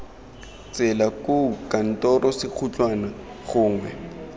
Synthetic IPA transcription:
t͡sɛlakʼʊkan̩tʼɔrɔsɪq͡χʰut͡ɬʼwana | χʊːŋwɛ

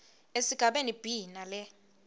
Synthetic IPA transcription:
esiɡ̥ʱaɓenib̥ʱinalɛ

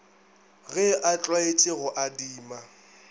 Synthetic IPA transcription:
ɣɛʔat͡ɬʼwaet͡ʃʼɪɣʊʔadiːma

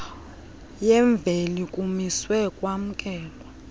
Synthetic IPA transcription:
jɛɱb̪vʱelikʼumiswɛkʼwam̩kʼɛːlɔ

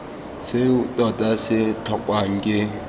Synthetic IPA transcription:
sɪutʼɔtʼasɪtʰɔkʼwaŋ̩kʼɪ

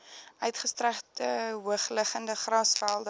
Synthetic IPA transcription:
œɥtχəstræχtəuəχləχəndəχrɑsfælˠdə

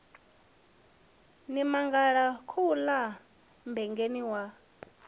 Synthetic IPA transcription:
nimaŋɡaɺakʰula | mbɛŋɡeniwa

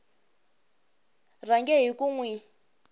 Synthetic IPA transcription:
r̤aŋɡɛɦikuŋwi

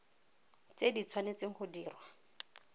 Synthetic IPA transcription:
t͡sedit͡sʰwanet͡seŋ̩χʊdiːrwa

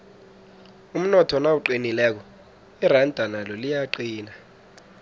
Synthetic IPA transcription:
um̩nɔtʰɔnawuǃinilɛk̬ɔ | irandʱanalolijaǃiːna

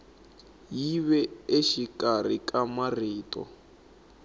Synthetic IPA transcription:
jiβɛeʃikʼar̤ikamariːtʼɔ̰

